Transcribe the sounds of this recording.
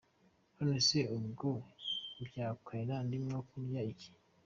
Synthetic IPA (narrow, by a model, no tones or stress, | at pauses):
honeseumɡobjaːkʰaenandimŋokunjaiki̥